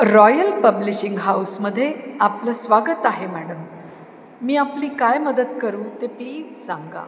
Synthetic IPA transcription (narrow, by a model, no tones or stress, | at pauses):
ɾɔjəlpəbliɕiŋɡɦawsməd̪ʱːjeapləːsʋaɡət̪aɦemæɽəmː | iːapliːkajməd̪ət̪kəɾuːt̪epliːd͡zsãŋɡa̰